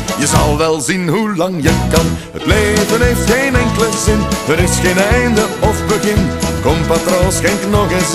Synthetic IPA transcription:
jəzɑlˠʋɛlˠzinɦulɑŋjəkɑnhə̰tleːvəneːftxeːnɛŋkələzɪnəɾɪsxeːnɛjndəɔfbəɣɪnkɔmpatrosxɛnknɔɣəs

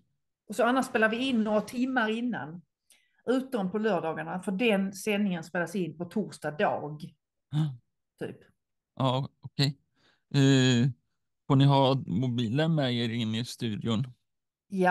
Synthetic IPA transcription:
ʔɔsɔanːaʂspeːlaɾvɪɪnːoːɾat̪ʰɪmːaɾɪnːa̰n | ʉ̟ːt̪̚ɔnpʰɔlœːɖɑːɡaɳafœɖɛnsɛnːɪŋənspeːlasɪnːpɔt̪ʰuːɾʂtad̪ɑ̰ːɡ | t̪ʰy̰ːp | ʔaːɔkʰɛj | fonɪɦɑːmʊbiːlənmɛeɾɪnːɪst̪ʉ̟ːd̪jʊn | ja

